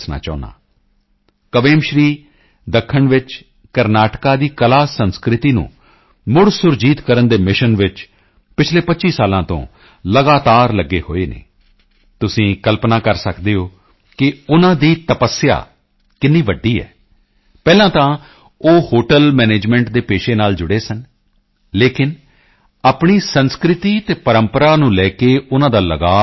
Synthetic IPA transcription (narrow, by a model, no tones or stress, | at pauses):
sna̰ːt͡ʃa̰ːʊna̰ː | kəʋeːmʃɾiː | d̪əkʰːəɳʋɪt͡ʃ | kəɾnaːʈkaːd̪iːkəlaːsənskɾɪt̪iːnṵ̃ː | mʊɽsʊɾd͡ʒiːt̪kəɾənd̪eːmɪʃənʋɪt͡ʃ | pɪt͡ʃʰleːpətːt͡ʃʃiːsaːlãːt̪õ̰ː | ləɡaːt̪aːɾləɡːeːho̰ːeːnḛː | t̪ʊsĩːkəlpnaːkəɾsəkd̪eːoː | kɪʊnãːd̪iːt̪əpəsːja̰ː | kɪnːiːʋəɖːiːɛ̰ː | pɛːlãːt̪ãː | oːhoːʈəlmɛːneːd͡ʒmɛ̃ːɳʈd̪eːpeːʃeːnaːld͡ʒʊɽeːsən | leːkɪn | aːpɳiːsənskɾɪt̪iːt̪eːpəɾəmpəɾaːnũːlɛːkeːʊnãːd̪aːləɡaː